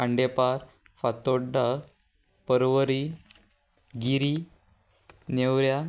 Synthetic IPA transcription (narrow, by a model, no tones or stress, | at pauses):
aɳɖepaɾ | fat̪oɖa | pəɾʋəɾi | ɡiɾi | newɾja